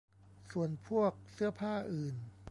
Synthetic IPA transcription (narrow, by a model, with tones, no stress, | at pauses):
su˨˩ənpʰu˥˩ək̚sɯ˥˩ɐpʰaː˥˩ʔɯː˨˩n